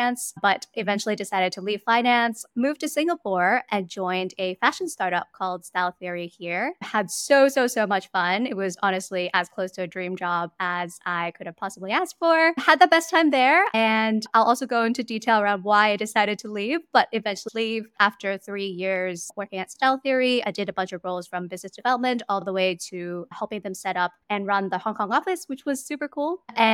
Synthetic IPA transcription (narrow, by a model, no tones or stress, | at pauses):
æ̃nsb̥ʌɾʔɨvɛ̃nt͡ʃl̩ˠidɨsaɪɾɨd̚tʰəliv̥fãɪ̃næ̃nsmʉv̥tɨsɪ̃ŋɡəlpɔɹʔɨ̃nd͡ʒɔ̃ɪ̃ndɨfæʃn̩stɑɹɾʌp̚kʰɔlˠd̥stælˠθɪɹihiɹədsoʊsoʊsoʊmʌt͡ʃfʌ̃nɨt̚wʌzɑnɨstˡliʔɨz̥kʰl̥oʊstʰɨɨdɹĩmd͡ʒɑb̚əz̥a̰ɪkʰʊɾɨv̥pʰɑsəbliæstfə˞həd̪̚ðəbɛstʰãɪ̃mðə˞ɨ̃nʔaɪlʔɔlˠsoʊɡoʊɪ̃ntʉditʰeɪlˠə˞ãʊ̃nd̚waɪaɪd̥ɨsaɪɾɨd̚tʰəlivb̥ʌɾɨvɛ̃nt͡ʃl̩livʔæftə˞θɹijɪɹz̥wɜ˞kɪ̃ŋɨtstaɪlˠθɪɹiaɪdɨɾɨbʌ̃nt͡ʃʌvɹoʊlˠz̥fɹʌ̃mbɪznɨsd̥ɨvɛlˠəp̚mɨ̃ntɔlˠðəweɪɾɨhɛlˠpɪ̃ŋðɨ̃msɛɾʌp̚ɨ̃nɹʌ̃nðəhɑ̃ŋkʰɑ̃ŋɑfɨswɨt͡ʃwʌz̥sʉpə˞kʰulˠɨ̃